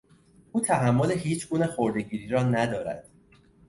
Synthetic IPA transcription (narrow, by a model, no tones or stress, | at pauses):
ʔuːt̪ʰæɦæmːoleɦiːt͡ʃʰɡuːnexoɾd̪e̞ɟiːɾiːɾɒːnæd̪ɒːɾæ̰d̪̥